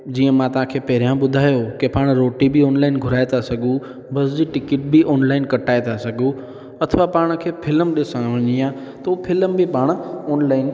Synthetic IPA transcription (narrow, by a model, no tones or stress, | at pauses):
d͡ʑiːə̃mãt̪ɐãkʰeːpɐɦɾijãɓʊd̪ʱaːjokepaːɽ̃ɾoːʈibiɔːnlaːɪnɡʱʊɾaːet̪ʰasɐɡʱũ | bɐsd͡ʑiːʈɪkɪʈ̚bʱiʔɔːnlaːɪnkɐʈaːet̪ʰasɐɡʱũ | ɐt̪ʰəʋapaːɽ̃ə̆kʰeːpʰɪləmɗɪsə̃ʋə̃ɲijã | t̪ɐupʰɪləmbɪpaːɽ̃ɔːnlaːɪn